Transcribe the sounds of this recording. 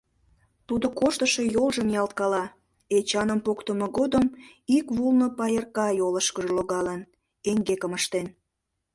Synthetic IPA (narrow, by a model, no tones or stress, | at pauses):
t̪ud̪okoʃt̪əʃejolʒəmjɑlt̪̚kɑlɑ | et͡ɕɑnəmpokt̪əməɣod̪əm | ikβulnopɑjərkɑjoləʃkəʒeloɣɑlən | eŋɡekəməʃt̪en